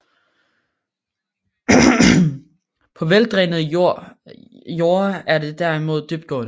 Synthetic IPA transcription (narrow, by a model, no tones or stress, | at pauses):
pʰɒ̽ʋeld̥ʁɛnəð̩ˠ | jo̝ːɐæɐde̝d̥æɐimo̝ð̞̰ˠd̥yb̥̚d̥̚ɡ̥ɔ̰ːd